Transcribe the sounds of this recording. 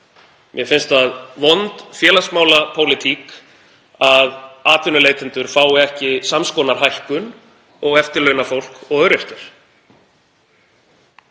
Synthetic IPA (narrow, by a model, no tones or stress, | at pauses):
mʔjɛfɪnst̪aðvɔnt̪fjɛːlasmaːwlapʰowlɪt̪ʰiːk | aðaːt̪ʏnʏleːjt̪ɪnt̪ʏɾ̥faːwɪɛhcɪsamskɔːnaɾ̥ɦajhkʏn | ɔɣɛft̪ɪɾlœɥnafowl̥kɔɣœɥɾɛr̥t̪ɪɾ̥